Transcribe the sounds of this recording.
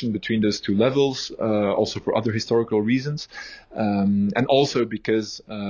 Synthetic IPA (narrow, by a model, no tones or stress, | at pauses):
n̩bɨtʰw̥ĩːnðoʊz̥tʰʉlɛvəl̩ˠz̥ɔ̰lˠsoʊfə˞ʔʌ̰ðə˞hɨstɔɹɪkəl̩ˠɹiːzə̃nz̥ | ɨ̃nʔɔlˠsoʊbɨkʰʌz